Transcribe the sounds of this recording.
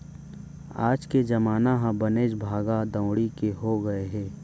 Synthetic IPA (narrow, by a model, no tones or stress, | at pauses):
a̰ːd͡ʒked͡ʒɐmaːnaɦãbɐneːd͡ʒbʱaːɡad̪ə̃ʊɽikeɦoɡɐeɦɛ̃ː